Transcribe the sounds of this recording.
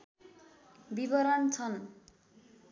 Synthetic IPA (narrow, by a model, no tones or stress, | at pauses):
bibʌɾʌnt͡sʰʌn